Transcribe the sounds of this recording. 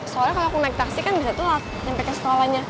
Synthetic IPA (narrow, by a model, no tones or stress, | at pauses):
soaɾaŋkaloakunaik̚t̪aksikanbisat̪ulat̪̚sampakansə̥kolahɲa